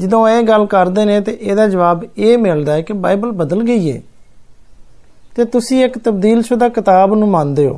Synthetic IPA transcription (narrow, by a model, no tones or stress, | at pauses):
d͡ʒɪd̪õːeːɡəlkəɾd̪eːnẽːt̪eːʔeːd̪aːd͡ʒəʋaːbeːmɪld̪aːɛːkɪbaːibəlbəd̪əlɡəiːḛː | t̪eːt̪ʊsĩːɪkt̪əbd̪iːlʃʊd̪aːkɪt̪aːbnũːmãːnd̪eːo̰ː